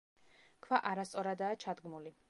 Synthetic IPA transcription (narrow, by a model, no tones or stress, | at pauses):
kʰvaʔaɾast̪sʼɔɾad̪aːt͡ʃʰad̪ɡmuli